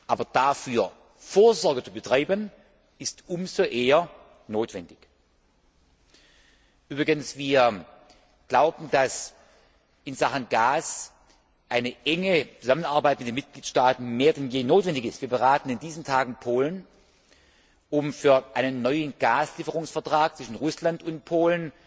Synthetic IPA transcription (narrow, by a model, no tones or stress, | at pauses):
ʔaːbɐd̥afyːɐ | foːɐzɔɐɡət͡subətʁ̥aɪbən | ɪstʔʊmzoʔeːɐ | noːtv̥ɛndɪç | ʔyːbʁɪɡənsv̥iːɐ | ɡ̥laʊbn̩d̥as | ʔɪnzaχənɡaːs | ʔaɪnəʔɛŋət͡suzamənaɐbaɪtmɪtdeːnmɪt̚ɡ̥liːtʃtaːtn̩meːɐdɛnjeːnoːtvɛndɪçɪstv̥iːɐbəʁaːtn̩ɪndiːzn̩tʰaːɡn̩pʰoːlən | ʔʊmfyːɐʔaɪnənːɔʏənɡ̥aːsliːfəʁʊŋsfɛɐtʁ̥aːk̚t͡svɪʃn̩ʁʊslandʊnt̚pʰoːlən